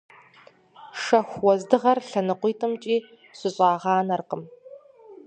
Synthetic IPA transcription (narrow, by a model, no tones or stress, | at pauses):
ʂɐxʷwɔzdɨʁɐrɬɐnɨqʷiːtʰʼɨmt͡ʃʼiː | ɕʷɨɕʼɑːʁɑːnɐrqəm